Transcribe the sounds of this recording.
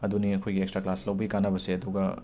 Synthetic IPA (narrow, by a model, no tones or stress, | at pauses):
ɐd̪uniɐkʰojɡiekstɾaklaslɐwbɐɡikanɐbɐseɐd̪uɡɐ